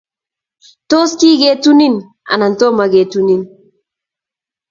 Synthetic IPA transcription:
to˦ski˦ɡe˨tu˦ni˦n | a̰˨na˨nto˦ma˨ɡe˨tu˦ni˦n

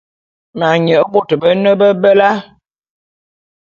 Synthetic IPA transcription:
ma˨ɲə˨ə˦bo˨tə˨bə˦nə˦bə˦bə˦la˦

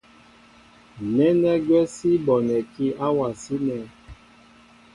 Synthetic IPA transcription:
nɛ˦nɛ˦ɡwɛ˦si˦bɔ˨nɛ˨ki˦ʔa˦wa˨si˦nɛ˦

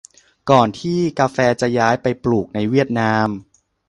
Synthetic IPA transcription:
kɔː˨˩nt̪ʰiː˥˩kaː˧fɛː˧t͡ɕa˨˩jaː˦˥jpa˧jpluː˨˩k̚na˧jwi˥˩ət̪̚naː˦˥m

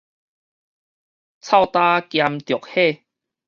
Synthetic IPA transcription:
t͡sʰa˥˧˨wt̪a˦kja˧mt̪jɔ˨˩k̚he˥˧

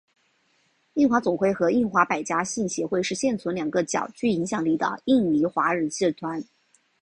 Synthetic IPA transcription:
i˥˩nxwa˧˥t͡sʊ˨˩ŋxwe˥˩ɪxɤ˧˥i˥˩nxwa˧˥pa˨˩ɪt͡ɕja˥ɕi˥˩nɕjɛ˧˥xwe˥˧ɪʂɻ̩˥˧ɕjɛ˥˩nt͡sʰu˧˥nljɑ˨˩ŋɡə˦t͡ɕjɑ̰˨˩ʊt͡ɕy˥˩i˧˥ŋɕjɑ˨˩ŋli˥˩d̪ə̰˩i˥˩ŋli˧˥xwa˧˥ɻə˧˥nɕi˥˩t̪ʰwa˧˥n

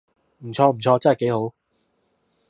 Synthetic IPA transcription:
m̩˨˩t͡ɕʰɔː˧m̩˨˩t͡ɕʰɔː˧t͡sa˥˨˩ke˨˥jho˨˥w

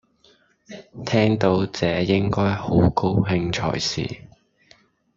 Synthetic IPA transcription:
t̪ʰɛː˥ŋt̪o˨˧˥wt͡sɛː˨˧jɪ˥ŋkɔː˥jho˨˥wko˥wɦɪ˧ŋt͡ʃʰɔ̰ː˨˩jsḭː˨˩

